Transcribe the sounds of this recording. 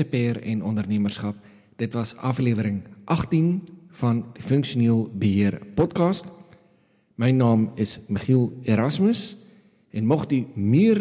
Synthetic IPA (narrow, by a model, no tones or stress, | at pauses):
əpɛːrɛ̰nɔndərniəmərsχɐp̚ | d̥ətvɐsɐfliəvəɾəŋʔɐχtinfɐndifəŋkʃuniəlˠbəɦiərpɔtkɑːst | məjnɑːməsməχilˠeɾɐsməs | ɛnmɔχdimiər